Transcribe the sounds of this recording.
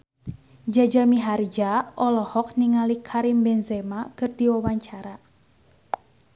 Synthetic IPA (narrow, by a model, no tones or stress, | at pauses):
d͡ʒad͡ʒamiɦard͡ʒaʔɔlɔhɔk̚niŋalikʰaɾimbɛnzɛmakɨrdiwawaɲt͡ʃaɾa